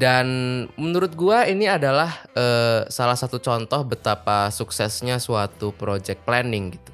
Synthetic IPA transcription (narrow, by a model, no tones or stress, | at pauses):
danmənuɾʊt̪̚ɡuainiadalahʔəːsalahsat̪ut͡ʃɔnt̪ɔhbət̪apasuksɛsɲasuat̪upɾod͡ʒɛk̚t̪̚plɛnɪŋɡit̪u̥